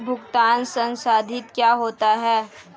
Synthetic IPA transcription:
bʱʊɡt̪aːnsə̃nsaːd̪ʱɪt̪kjaːɦoːt̪aɦɛː

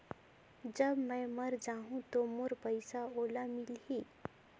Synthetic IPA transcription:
d͡ʑəbmə̃məɾd͡zaɦũt̪omoɾpəjsaolamilɦi

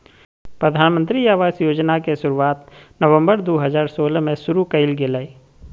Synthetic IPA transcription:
pɾəd̪ʱaːnmə̃nt̪ɾiaːʋaːsjoːd͡ʒnakesʊɾuaːt̪nəʋə̃mbəɾd̪oːɦəzaːɾsoːlmẽsʊɾukəɪlɡɪlaːi

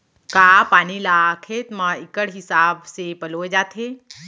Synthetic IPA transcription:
kaːpaːnilaːkʰeːt̪mãɪkəɽɦɪsaːbsepəloːed͡ʒaːt̪ʰɦeː

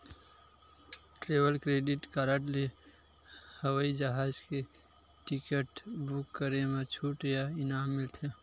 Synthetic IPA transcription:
ʈɾeːʋəlkɾeːɖɪʈkaɾəʈle | həwəid͡ʒəɦaːd͡ʒke | ʈɪkəʈbukːəɾemãt͡ʃʰuːʈjaɪnaːmːɪlt̪ʰe

